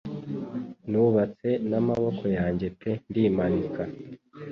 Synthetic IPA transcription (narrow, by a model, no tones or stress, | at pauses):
nuβat͡se̞namaβo̞kʰo̞jaːɲɟe̞tendiːmaɾika